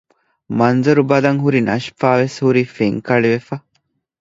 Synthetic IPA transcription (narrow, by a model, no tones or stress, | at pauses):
mɐnzɐɾubɐlɐŋɦuɾinɐʃfaːʋeshuɾifeŋkɐɭiʋefɐ